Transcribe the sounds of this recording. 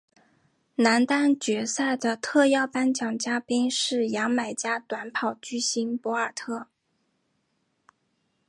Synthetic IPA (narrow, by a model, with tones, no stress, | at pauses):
na˧˥nt̪a˥nt͡ɕɥɛ˧˥sa˥˩ɪd̪ə˩t̪ʰɤ˥˧jɑ˥˩ʊpa˥nt͡ɕjɑ˨˩ŋt͡ɕja˥pi˥nʂɻ̩˥˩jɑ˧˥ŋma˨˩ɪt͡ɕja˥t̪wa˧˥npʰɑ˨˩ʊt͡ɕy˥˩ɕi˧˥npwɔ˧˥ə˞˨˩t̪ʰɤ˥˩